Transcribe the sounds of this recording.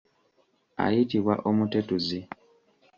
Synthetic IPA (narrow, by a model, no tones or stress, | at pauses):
a̰jitiβwaʔomutetuzi